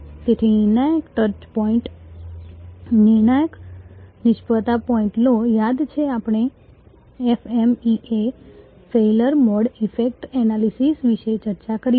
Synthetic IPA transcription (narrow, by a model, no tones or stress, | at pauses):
d͡ʒ̪et̪ʰinɪɾnajəkʈəɾt͡ʃpɔiɳʈ | nɪɾnajəknɪʃpət̪apɔĩɳʈnojad̪t͡ʃʰeapɳ̃e | ɛfemiʔe | feləɾmɔɖifʰekʈɛnalisisʋiʃet͡ʃəɾt͡ʃakəɾi